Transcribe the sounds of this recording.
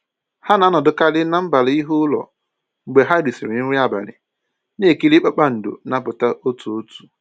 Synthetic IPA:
ha˦na˨˦nɔ˨dʊ˨ka˦lɪ˦na˦m̩˦ba˨li˦ɦʊ˦lɔ̰˨ | ŋ͡m̩˨ɡ͡be˨ɦa˦di˨si˨ɾɪ˨n̩˦ɾi˦a˨ba̰˨ɾɪ̰˨ | ne˦˨ki˦li˦k͡pa˦k͡pa˦n̩˨do̰˨na˦pʊ˨ta˦ʔo˦tu˨o˦tu̥˨

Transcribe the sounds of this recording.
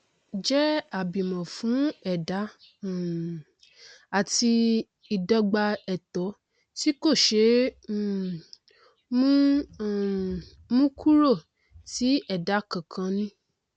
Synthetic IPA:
d͡ʒɛ˦a˨bi˨mã˨fũ˨˦ɛ˦˨da˨˦˨ | a˨ti˧ | i˨dɔ˧ɡ͡ba˧ɛ˨tɔ˨˦ | ti˦ko˦˨ʃe˧˦˨ | m̃˦˨ | mũ˦kʰu˦ɾo˦˨ | ti˨˦ɛ˦˨da˨˦kã˨kʰã˧nĩ˦

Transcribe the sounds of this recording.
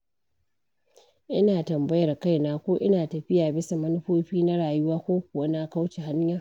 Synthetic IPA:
ʔɪ˦naː˨tɐ˨mbɐ˦jɐ˨rka˦˨jnaː˦kʷoː˦ʔɪ˦naː˨tɐ˨ɸɪ˦jaː˨bɪ˦sa˨mɐ˦nʊ˦ɸoː˦ɸiː˦na˦ɽaː˨jʊ˦waː˦kʷoː˦kʷʊ˨wa˦na˦ka˦wt͡ʃe˨ha˦ɲjɐ˨r

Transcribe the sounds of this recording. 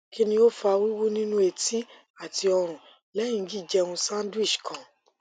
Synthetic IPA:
ki˦nĩ˧o˦fa˧wu˦wu˦nĩ˦nũ˦e˧˨ti˦ | a˨ti˧ɔ˧ɾ̃ũ˨ | lɛ̃˨˦ĩ˦˧˦ɡi˦˨d͡ʒɛ˧ũ˧sã˦n˦dwi˦˨ʃkʰã˧˨

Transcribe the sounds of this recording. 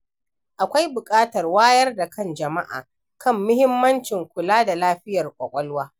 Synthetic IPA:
ʔa˨kʷa˦jbʊ˨kʼaː˦tɐ˨rwaː˦jɐ˦rda˨kʰɐ˦˨nd͡ʒɐ˨ma˦ʔa̰ː˨ | kʰɐ˦˨mːʊ˦hɪ˦mːɐ˦nt͡ʃɪ˨ŋkʷʊ˨laː˦da˨laː˦ɸɪ˦jɐ˨rkʷʼɔ˨kʷʼɔ˦lwaː˦

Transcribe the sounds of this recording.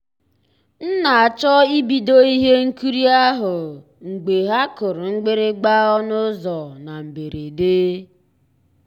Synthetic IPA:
n̩˦na˨a˨t͡ʃɔ˦i˦bi˨do˦i˦ɦe˦ŋ̩˦ku˦ɾi˦a˦ɦʊ˨ | ŋ̩˨ɡ͡be˨ɦa˦kʊ˨ɾʊ˨ŋ͡m̩˦ɡ͡be˦ɾe˦ɡ͡ba˦ɔ˦nʊ˦zɔ˨na˨m̩˨be˨ɾe˨deː˦

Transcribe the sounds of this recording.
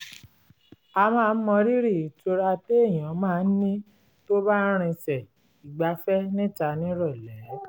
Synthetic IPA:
a˧mãː˦˧˦mɔ̃˧ɾi˦ɾi˦˨i˨to˧ɾa˧te˦e˦˨j̃ã˨˦mãː˦˧n̩˦nĩ˦ | to˦ba˦ɾ̃ĩ˧sɛ˨ | i˨ɡ͡ba˨˦fɛ˦nĩ˦ta˧nĩ˦ɾɔ˦˨lɛ˨˦

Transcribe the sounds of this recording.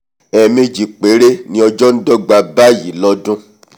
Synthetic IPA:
ɛ˧mẽ˧d͡ʒi˨k͡pe˨˦ɾe˦nĩ˦ɔ˧d͡ʒɔ˦n̩˦dɔ˦ɡ͡ba˧ba˦ji˨˦lɔ˦dũ˦

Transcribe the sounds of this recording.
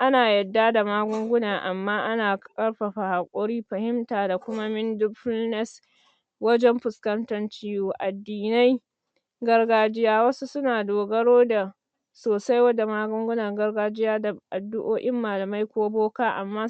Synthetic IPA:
ʔa˦naː˨jɐ˨dːa˦da˨maː˦ɡʷʊ˦ŋɡʷʊ˦naː˨ʔa˨mːaː˦ʔa˦naː˨kʼɐ˦ɽɸa˨ɸa˨ha˨kʷʼɔ˦ɽiː˦ɸɐ˨hɪ˦mtaː˨da˨kʷʊ˦ma˦mɪ˦ndʊ˦ɸɪ˦lnɛ˦s | wɐ˦d͡ʒɛ˦mɸʊ˨skɐ˦ntɐ˦nt͡ʃiː˦juː˦˨ʔa˨dːiː˨na˦j | ɡɐ˦rɡaː˦d͡ʒɪ˦jaː˦wɐ˦su˦sʊ˦naː˨doː˨ɡɐ˦ɽoː˦da˨ | soː˨sa˦jwɐ˦da˨maː˦ɡʷʊ˦ŋɡʷʊ˦nɐ˨ŋɡɐ˦rɡaː˦d͡ʒɪ˦jaː˦da˨ʔa˨dːʊ˦ʔoː˦ʔɪ˦mːaː˨lɐ˨ma˦jkʷoː˦boː˦kaː˦ʔa˨mːaː˦

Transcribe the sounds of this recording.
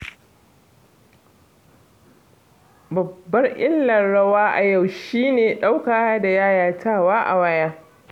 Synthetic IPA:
bɐ˨bːɐ˦rʔɪ˦lːɐ˨nɽɐ˦waː˦ʔa˨ja˨wʃiː˦neː˨ɗa˦wkaː˨˦da˨jaː˦jaː˦tʰaː˦˨waː˦ʔa̰˨wɐ˦jaː˦

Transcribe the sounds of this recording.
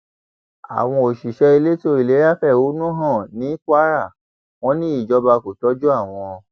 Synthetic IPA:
a̰˨w̃ɔ̃˧o˨ʃi˨ʃɛ˧i˧le˦to˧˦i˨le˨˦a˦fɛ˦˨o˨˦nũ˦ɦã˦˨nĩ˨˦kʷa˦ɾa˦˨ | w̃ɔ̃˦nĩ˦i˦˨d͡ʒɔ˧ba˧ko˨tɔ˨˦d͡ʒu˦a˦˨w̃ɔ̃˧ɔ˧

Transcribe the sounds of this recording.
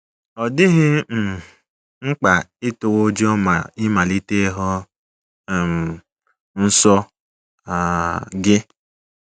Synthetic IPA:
ɔ˨dɪ˦ɣɪ˦m̩˨ | ŋ͡m̩˦k͡pa˨ɪ˦to˨wo˦d͡ʒo˦ma˨ɪ˦ma˨li˦te˦ɦɔ˦˨ | m̩˨ | n̩˦sɔ˦ | a˨ɡɪ˦

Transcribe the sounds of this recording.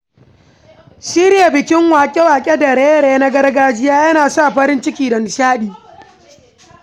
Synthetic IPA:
siː˦ɾɪ˦ja˨bɪ˨kʲɪ˦ŋwaː˨kʲʼe˦waː˨kʲʼe˦dɐ˨ɾeː˦jɾeː˦na˦ɡɐ˦rɡaː˦d͡ʒɪ˦jaː˦jɐ˦naː˨sa˦˨ɸɐ˦ɾɪ˦nt͡ʃɪ˦kʲiː˨dɐ˨nʃaː˦ɗiː˨

